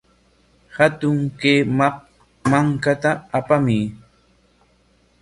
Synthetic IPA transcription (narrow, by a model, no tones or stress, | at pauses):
hat̪ʊŋkeːma | maŋkat̪aːpami